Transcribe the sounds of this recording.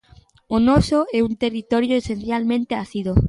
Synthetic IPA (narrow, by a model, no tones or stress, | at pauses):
onɔsoɛunt̪erit̪ɔɾjoesen̟θjalmẽnt̪eaθiðo